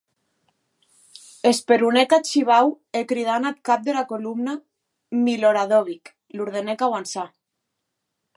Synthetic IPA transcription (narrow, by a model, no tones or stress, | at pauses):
espeɾunekat͡ʃiβaw | ekɾiðanat̪̚kap̚d̪elakolumna | miloɾaðoβik | luɾðenekawansa